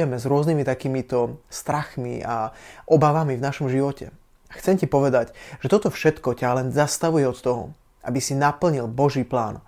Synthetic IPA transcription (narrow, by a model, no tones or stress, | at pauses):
ɛmɛzɾʊɔznimit̪akiːmit̪ɔst̪ɾaxmḭʔaʔɔbaʋamivnaʃɔmʒiʋɔcɛ̰ | axt͡sɛmcipɔʋɛd̪aɟʒ̥ɛt̪ɔt̪ɔfʃɛt̪kɔcalɛnzast̪aʋujɛɔt̪t̪ɔɦɔ̰ | ʔa̰bisinapl̩ɲilbɔʒiːpla̰ːn